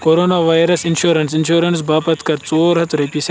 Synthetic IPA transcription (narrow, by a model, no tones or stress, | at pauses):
koɾoːnaːʋaːjɾɐsinʃoːɾɐnsinʃoːɾɐns̬baːpɐt̪kɐɾt͡soːɾɦɐt̪ɾepis